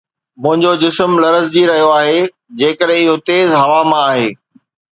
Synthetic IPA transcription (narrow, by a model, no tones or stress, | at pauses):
mʊ̃ɦɪ̃ɲd͡ʑod͡ʑɪsmlɐɾəzd͡ʑiɾɐɦijoaːɦe | d͡ʑeːkəɗʱɦẽɪɦot̪eːzɦɐʋamãaːɦeː